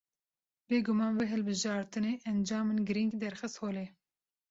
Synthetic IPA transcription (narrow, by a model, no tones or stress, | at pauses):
beːɡʊmɑːnveɦɨlbɨʒɑːɾt̪ɨneːʔɛnd͡ʒɑːmɨnɡɨɾiŋɡd̪ɛɾxɨst̪hoːleː